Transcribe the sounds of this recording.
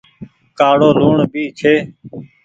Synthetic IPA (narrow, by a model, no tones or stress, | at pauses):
kaːɽoːluːɳbʱiːt͡ʃʰeː